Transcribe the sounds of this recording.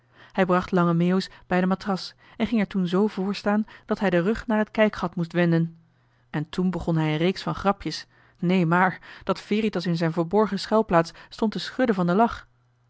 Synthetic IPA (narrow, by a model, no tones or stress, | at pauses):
hɛjbrɑχtlɑŋəmewsb̥ɛjdəmatrɑs | ɛnχɪŋɛɹtunzowvʊːɹstaːnd̥ɑtɦɛjdərɵχnaːɹɦətkɛjkχɑtmustʋɛndən | ɛntunbəχɔnɦɛjənrejksfɑnχrɑpʰjəs | nejmaːɹd̥ɑtfɪːɾitɑsɪnzɛjnvəːɹbɔɹχəsχɛlˠplaːtsstɔntəsχɵdəvɑndəlɑχ